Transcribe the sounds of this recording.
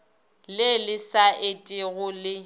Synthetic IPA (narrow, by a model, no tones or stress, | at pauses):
lɪlɪsaʔetʼɪɣʊlɪ